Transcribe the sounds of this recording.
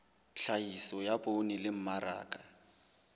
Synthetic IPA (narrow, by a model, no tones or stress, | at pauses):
ɬʰajisɔjabonilɪm̩maɾa̰ːkʼa